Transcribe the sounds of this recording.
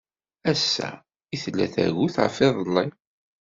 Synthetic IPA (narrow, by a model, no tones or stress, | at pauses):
æsːæ̰ | iθlːæ̰θæ̰ɣuθʕfɪðˤəlˤːi